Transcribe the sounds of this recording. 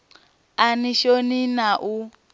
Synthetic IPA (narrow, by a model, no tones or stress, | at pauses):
aniʃoninaʔu